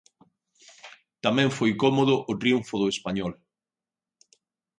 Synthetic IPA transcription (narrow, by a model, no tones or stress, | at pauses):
t̪amɛ̃ɱfojkɔmoðʊʔʊt̪ɾiuɱfoðʊespaɲɔl